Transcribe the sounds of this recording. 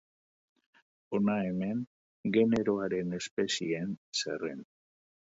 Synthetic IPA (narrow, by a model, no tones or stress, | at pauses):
o̞nae̞me̞ŋ | ɡe̞ne̞ɾo̞aɾe̞ne̞spe̞siensḛrḛn